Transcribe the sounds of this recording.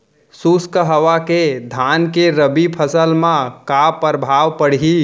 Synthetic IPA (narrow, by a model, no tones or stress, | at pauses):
suskəɦəʋaked̪ʱankeɾəbipʰəsəlmãkapəɾbʱaʋpəɽ̤ɦi